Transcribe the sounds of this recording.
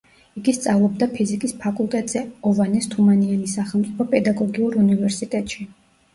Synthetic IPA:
iɡist̪sʼavlˠɔb̚d̪apʰizikʼispʰakʼulˠt̪ʼɛt̪ʼz̥ɛɔvanɛst̪ʰumaniɛnisaχɛlˠmt̪sʼipʰɔpʼɛd̪aɡɔɡiuɾunivɛɾsit̪ʼɛt̪ʼʃi

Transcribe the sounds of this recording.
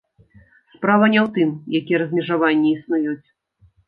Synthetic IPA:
spɾavɐnʲɛwt̪ɨmjakʲijɛɾɐzʲmʲɛʐavanʲːɛisnujut͡sʲ

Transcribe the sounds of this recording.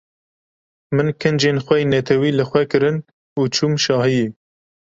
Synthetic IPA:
mɨnkʰɨnd͡ʒeːnxʷɛjnɛt̪ʰɛwiːlɨxʷwɛkɨɾɨn | uːt͡ʃʰuːmʃɑːhɨji

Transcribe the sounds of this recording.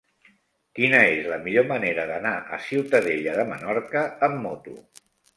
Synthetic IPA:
kinəezləmiʎoməneɾəðənaʔə̰siwt̪əðeʎəðəmənɔɾkəːmːɔt̪ṵ

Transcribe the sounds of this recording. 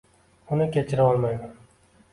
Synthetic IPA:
ʊnɪkʲʰe̞t͡ʃʰɪɾaɒlˠmajman

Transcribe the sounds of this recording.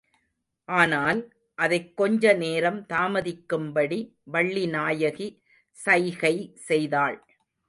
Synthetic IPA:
ʔaːnaːl | ʔɐðɐɪkːɔɲd͡ʒɐneːɾɐmt̪aːmɐðɪkːɯmbɐɽi | ʋɐɭːinaːjɐɣi | sɐjɣɐɪsɛjðaːɭ

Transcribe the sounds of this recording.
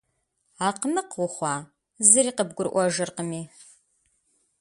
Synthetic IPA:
aːqnɨqwʷʊχʷɑː | zɨɾiːqəb̚ɡʷʊrʔʷɔʒɨrqəmiː

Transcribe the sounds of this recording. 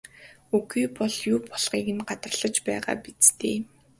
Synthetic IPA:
ukiːpɔɮjuːpʰɔɮʁ̥iːkɘ̆nɢat̪rəɮə̆t͡ɕpæːʁa̰ːpit͡st̪ʰeː

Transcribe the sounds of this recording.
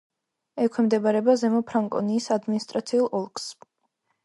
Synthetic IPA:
ɛkʰwɛmd̪ɛbaɾɛbazɛmɔpʰɾaŋkʼɔ̰niːsad̪minist̪ʼɾat̪sʰiulˠɔlˠkʼs

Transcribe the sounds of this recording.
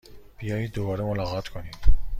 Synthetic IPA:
b̥ijɒːjid̪obɒːɾemolɒɣɑt̪kʰonid̪

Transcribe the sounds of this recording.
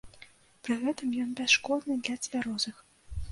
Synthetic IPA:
pɾɨɣɛt̪ɨmjɔnbʲɛsʃkɔd̪nɨd̪ʲlʲat͡s̪ʲvʲaɾɔzɨx

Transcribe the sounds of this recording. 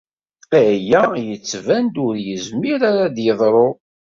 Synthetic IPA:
æjæjət͡sːvænd̪ʊɾjəzmiɾaɾad̪jəðˤɾˤo

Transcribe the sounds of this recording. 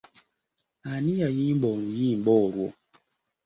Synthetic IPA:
anijajimbɔnujimbɔɾwɔ̰

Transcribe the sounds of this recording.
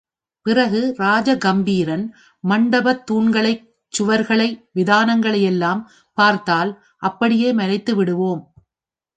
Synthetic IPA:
pɪrɐɣɯɾaːd͡ʒɐɡɐmbiːɾɐn | mɐɳɖɐbɐt̪ːuːɳɡɐɭɐɪ | t͡ʃːʊʋɐɾɣɐɭɐɪʋɪðaːnɐŋɡɐɭɐjɛlːaːm | paːɾt̪aːl | ʔɐpːɐɽɪjeːmɐɾɐɪt̪ːɯʋɪɽɯʋoːm

